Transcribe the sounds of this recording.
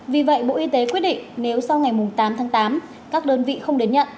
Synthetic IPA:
vi˨˩və̰˧˨jɓo̰˧˨ʔi˧t̪e˨˦kwət̚ɗḭ˧˨ŋne˨˦wsa˧wŋa˨˩jmʊ˨˩ŋ͡mt̪aː˨˦mt̪ʰaː˨˦ŋt̪aː˨˦m | kaː˦˥k̚ɗəː˧nvḭ˧˨xə˧wŋ͡mɗe˨˦nɲə̰˧˨nʔ

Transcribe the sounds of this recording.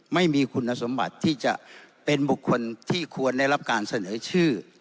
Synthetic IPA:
ma˥˩jmiː˧kʰu˧nːa˧so˩˦mba̰˨˩t̪ʰːiː˥˩t͡ɕa̰˨˩ʔ | pe˧nbu˨˩kʰːo˧nt̪ʰiː˥˩kʰu˧ənda˥˩jla˦˥p̚kaː˧nsa˧nɤː˩˦t͡ɕʰɯː˥˩

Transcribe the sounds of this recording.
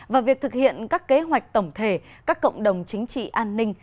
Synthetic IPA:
vaː˨˩vi˨˩ək̚t̪ʰɨ˨˩k̚hḭ˧˨ənkaː˦˥kːe˨˦ɦwa˨˩jk̟̚t̪ə˧˩wŋ͡mt̪ʰe˧˩ | kaː˦˥kːə̰˧˨wŋ͡mɗə˨˩wŋ͡mt͡ɕï˨˦ŋ̟t͡ɕḭ˧˨ʔaː˧nːï˧ŋ̟

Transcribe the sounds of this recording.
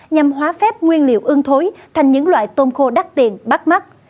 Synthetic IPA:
ɲa˨˩mɦwaː˨˦fɛ˦˥p̚ŋwi˧ənlḭ˧˨əwʔɨ˨˧əŋt̪ʰo˨˦jt̪ʰa˨˩jŋɲɨ̰˧˥ŋlwa̰ː˧˨jt̪o˧nxo˧ɗa˦˥t̚t̪i˨˩ənɓa˦˥t̚ma˦˥t̚

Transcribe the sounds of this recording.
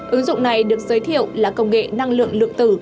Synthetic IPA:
ʔɨ˨˦ŋzʊ̰˧˨wŋ͡mna˨˩jɗɨ˨˩ək̚z̥əː˨˦jt̪ʰḭ˧˨əwlaː˨˩kə˧wŋ͡mŋḛ˧˨na˧ŋlɨ̰˧˨əŋlɨ̰˧˨əŋt̪ɨ˧˩

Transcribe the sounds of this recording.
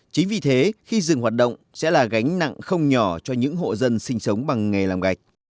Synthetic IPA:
t͡ɕï˨˦ŋ̟vi˨˩t̪ʰe˨˦xi˧zɨ˨˩ŋhwaː˨˩t̚ɗə̰˧˨wŋ͡msɛ̰˧˥laː˨˩ɣa˨˦jŋ̟na̰˧˨ŋxə˧wŋ͡mɲɔ˧˩t͡ɕɔ˧ɲɨ̰˧˥ŋɦo̰˧˨zə˧nsï˧ŋ̟sə˨˦wŋ͡mɓa˨˩ŋːa˨˩jlaː˨˩mɣa˨˩jk̟̚

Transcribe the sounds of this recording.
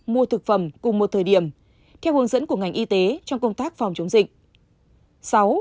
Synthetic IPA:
mu˧ət̪ʰɨ˨˩k̚fə˨˧˩mkʊ˨˩ŋ͡mmo˨˩t̚t̪ʰəː˨˩jɗi˧˩əm | t̪ʰɛ˧whɨ˨˦əŋzə̰˧˥nku˧˩əŋa˨˩jŋ̟ʔi˧t̪e˨˦t͡ɕɔ˧wŋ͡mkə˧wŋ͡mt̪aː˦˥k̚fa˨˩wŋ͡mt͡ɕə˨˦wŋ͡mzï˨˩k̟̚ | sa˨˦w

